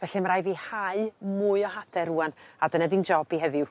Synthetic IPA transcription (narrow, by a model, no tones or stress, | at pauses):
vɛɬɨmɾajviːhaɨmʊɨɔɦadʰɛɾuːanadənadind͡ʒɔbihɛðɪw